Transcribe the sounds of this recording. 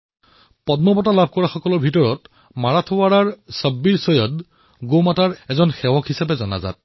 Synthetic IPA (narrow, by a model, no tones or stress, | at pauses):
pɔdmɔpɔtalabʱkɔɹaxɔkɔlɔɹbʱitɔɹɔt | maɹatʰowaɹaɹsəbːiɹsɔjɔt̚ | ɡomataɹɛzɔnxɛwɔkhisapɛzɔna̰za̰t̚